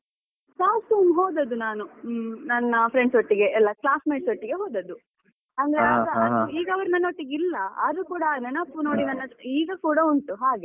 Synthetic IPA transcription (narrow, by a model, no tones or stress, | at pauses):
saːsuːmɦoːd̪ɐd̪unaːnunɐnːɐpʰɾeɳɖsoʈːiɡe̞ʔɛlːɐklaːsmeːʈsoʈːiɡeɦoːd̪ɐd̪u | ɐnd̪ɐɾeɐɡɐɐd̪uiːɡɐʋɐɾnɐnoʈːiɡilːɐɐ̰ɾukuːɽɐnɐɳɐpːuno̞ːɽinɐnːɐiːɡɐkuːɽɐuɳʈuɦaːɡe̞